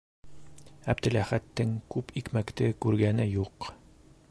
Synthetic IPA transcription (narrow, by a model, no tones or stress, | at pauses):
æbd̪ɘ̆læχæt̪ːɘŋkʉpikmækt̪ɘkʉɾɡænɘjuq